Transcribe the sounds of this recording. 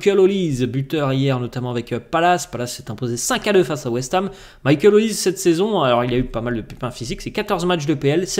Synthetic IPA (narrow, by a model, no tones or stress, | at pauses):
kʲɛlolizbyt̪œʁijɛʁnɔt̪amɑ̃avɛkpalaspalasːɛt̪ɛ̃pozesɛ̃kad̪øfasawɛst̪am | majkʲɛlolizsɛt̪sɛzɔ̃alɔʁiljaypamald̪əpepɛ̃fiziksɛkat̪ɔʁzmat͡ʃd̪əpeɛlsɛ